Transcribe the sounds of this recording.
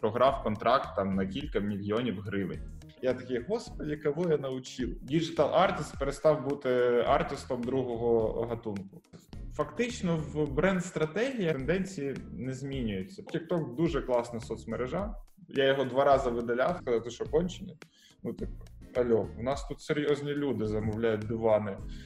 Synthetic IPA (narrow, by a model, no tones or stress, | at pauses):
pɾɔɦɾɑwkɔnt̪ɾʔɑk̚t̪ːɑmnɐkʲilʲkɐmʲilʲjɔnʲiwɦɾɪʋɪ̰nʲ | jat̪ɐkʲɛɦɔspɔdʲikɐʋɔjɐnɐʋʊt͡ʃilˠdʲid͡ʒɪt̪ɑlˠʔɑrt̪ʲɪst̪peɾest̪ɑwbut̪ɪɑrt̪ʲɪst̪ɔmd̪ɾuɦɔɦɔɦɐt̪unkʊ | fɐkt̪ɪt͡ʃnɔwbɾɛnd̪st̪ɾɐt̪ɛɦʲijɐend̪ɛnʲt͡sʲijinɛzʲmʲinʲʊjet͡sʲːɐkʲik̚t̪ɔkd̪uʒɛklˠɑsnɐsɔt̪smeɾeʒɑjajɔɦɔd̪ʋɑɾɑzɐʋɪd̪ɐlʲawskɐzɑwt̪ɪʃɔkɔnʲt͡ʃenʲːɐ | nut̪ɪkɐlʲɔʊnɑst̪ut̪seɾʲjɔzʲnʲilʲud̪ɪzɐmʊwlʲajʊt̚ʲd̪ʊʋɑnɪ